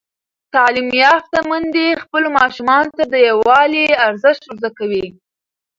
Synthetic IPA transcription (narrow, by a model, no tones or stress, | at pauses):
t̪ɑlimjɑft̪amand̪expəlomɑʃumɑnot̪ad̪əjawɑliaɾzəʃt̪ʊɾzakawi